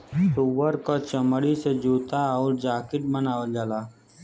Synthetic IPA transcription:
suːʋəɾkot͡ʃəməɽised͡ʒuːt̪aɔːɾd͡ʒaːkɪʈmənaːʋəld͡ʒaːlaː

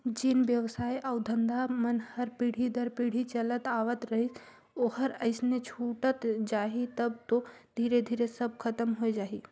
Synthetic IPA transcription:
d͡ʒɪnʋjəʋsaːiʔɔːʊd̪ʱə̃nd̪amənhəɾpiːɽ̤ʱid̪ʱəɾpiːɽ̤it͡ʃɐlət̪aːʋət̪ɾɐɦis | oːɦəɾəɪsnet͡ʃʰuːʈət̪d͡ʒaːɦit̪ɐb̚t̪od̪ʱiːɾed̪ʱiːɾesɐb̚kʰɐt̪əmɦoed͡ʒaːɦiː

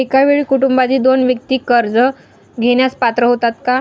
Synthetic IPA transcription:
ekaʋeɭiːkuʈumbad͡ʑiːd̪onʋjək̚t̪iːkəɾd͡zə | ɡʱeɽ̃jaspat̪ɾəɦot̪at̪ka

